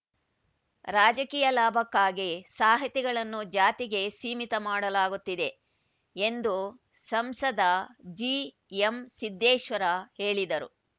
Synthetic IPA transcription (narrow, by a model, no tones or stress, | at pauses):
ɾaːd͡ʒɐkiːjɐlaːbʱɐkːaːɡesaːɦɐt̪ɛɡɐɭɐnːud͡ʒaːt̪iɡe̞siːmit̪ɐmaːɽɐlaːɡut̪ːid̪e | end̪u | sɐmsɐd̪ʱɐd͡ʒi | emsid̪ːɛːʃʋɐɾɐhe̞ːɭid̪ɐɾṵ